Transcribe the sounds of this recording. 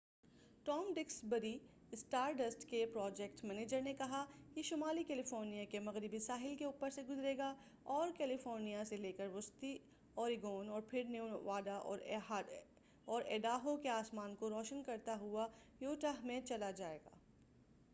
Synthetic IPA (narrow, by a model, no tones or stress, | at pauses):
ʈɔːmɖɪksbɐɾi | ɪsʈaːɾɖɐsʈkepɾɔːd͡ʒɛk̚ʈmɛːneːd͡ʒəɾnekɐɦakiʃʊmaːlikɛːlɪfoːɾnijakemɐɣɾɪbisaːɦɪlkeuːpəɾseɡʊzɾeːɡa | ɔːɾkɛːlɪfoːɾnijaseleːkəɾʋʊst̪i | ɔːɾɪɡoːnɔːɾpʰɪɾneʊʋaːd̪aʔɔ̰ːɾɦ | ɔːɾɛːɖaːɦõkeaːsmaːnkoɾɔːʃənkɐɾt̪aɦua | joːʈaɦmẽt͡ʃɐlad͡ʒaːeːɡa̰ː